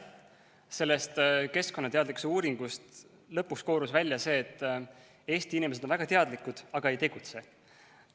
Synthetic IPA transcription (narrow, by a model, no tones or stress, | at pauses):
se̞lːe̞st̪ke̞sko̞nːɑt̪e̞ɑd̪likuseuːɾiŋɡ̥ust̪ | lɤpːˑuksko̞ːɾusvælʲjɑse̞ːt̪ː | e̞ːst̪iinimeseonvæɡ̥ɑt̪e̞ɑd̪likˑud̪̥ɑɡ̥ɑe̞jt̪e̞ɡ̥ut̪se̞